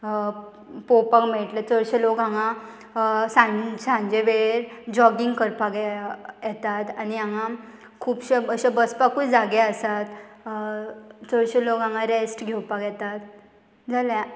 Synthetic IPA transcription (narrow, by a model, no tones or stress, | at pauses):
popakmeʈlet͡səɭɕelokãŋa | sãsãɲd͡ʑeʋeɾd͡ʑɔɡiŋɡkəɾpakɛjɛt̪at̪aniãŋã | kʰuːpɕeəɕabəspakuːd͡zaɡɛəsat̪ | t͡səɭɕelokãŋãɾesʈɡʱɛwpakjɛt̪at̪ | d͡zʱalja